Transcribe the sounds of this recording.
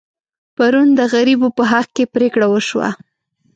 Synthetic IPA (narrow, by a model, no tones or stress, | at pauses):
paɾund̪əɣaɾibopəɦaqkepɾekɽawəʃwa̰